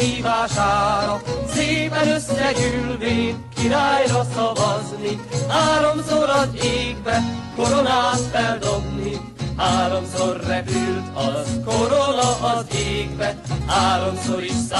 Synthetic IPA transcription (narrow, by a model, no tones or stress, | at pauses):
iːvaːʃaːɾɒseːvɛnøsːɛɡylveːkiɾaːjɾɒsɒvɒznihaːɾo̞msoɾɒzeːɡ̚bɛko̞ɾonaːnfɛld̪obni | haːɾomsorːɛpylt̪ɒzkoɾonɒʔɒzeːɡbɛhaːɾomsoɾisa